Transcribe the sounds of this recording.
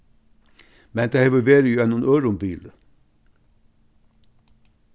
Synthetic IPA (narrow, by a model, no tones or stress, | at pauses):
mɛnd̪̥æhɛʋʉlʋeːɾəjuːɛnʊnøːɾʊmbiːlə